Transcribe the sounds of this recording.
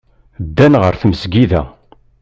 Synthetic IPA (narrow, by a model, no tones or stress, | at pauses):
d̪ːænʁəɾθməzɡiðæ